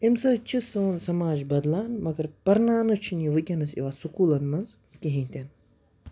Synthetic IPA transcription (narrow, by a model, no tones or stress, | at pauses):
imsɐt͡ʃʰisoːnsɐmaːd͡ʒbɐd̪laːnmɐɡɐɾpɐɾnaːnɨt͡ʃʰiniʋɨkʲɐnɐsḭʋaːsukuːlɐnmɐnz | kʲiɦĩt̪ʲɐn